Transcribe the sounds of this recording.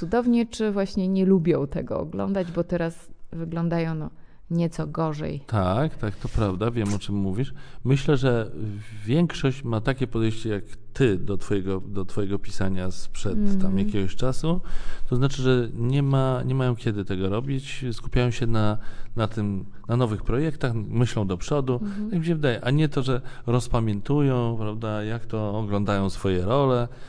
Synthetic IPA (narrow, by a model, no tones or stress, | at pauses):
sud̪ɔvɲɛt͡ʂɘvwaɕɲɛɲɛlubʲjɔ̃w̃t̪ɛ̰ɡɔ̰ɔ̰ɡlɔ̰nd̪ad͡ʑbɔt̪ɛɾasvɘɡlɔnd̪ajɔ̃w̃nɔ | ɲɛt̪sɔɡɔʐɛ̰jt̪ʰakt̪akt̪ɔpɾavd̪avʲjɛmɔt͡ʂɛmːuvʲiʂmɘɕlɛʐɛvʲjɛŋkʂɔɕt͡ɕmat̪akʲɛpɔd̪ɛjɕt͡ɕɛjakt̪ɘd̪ɔt̪fɔjɛɡɔd̪ɔt̪fɔjɛɡɔpʲisaɲaspʂɛt̪t̪ːamjakʲɛɡɔɕt͡ʂasut̪ɔznat͡ʂɘʐɛɲɛmaɲɛmajɔ̃w̃kʲɛd̪ɘt̪ɛɡɔɾɔbʲit͡ɕsku̥pʲjajɔ̃w̃ɕɛnanat̪ɘm | nanɔvɘxpɾɔjɛkt̪axmɘɕlɔ̃w̃d̪ɔpʂɔd̪ujakmʲiɕɛvɘd̪ajɛʔaɲɛt̪ɔʐɛ | ɾɔspamʲjɛnt̪ujɔ̃w̃pɾavd̪ajakt̪ɔːɡlɔnd̪ajɔ̃w̃sfɔjɛɾɔlɛ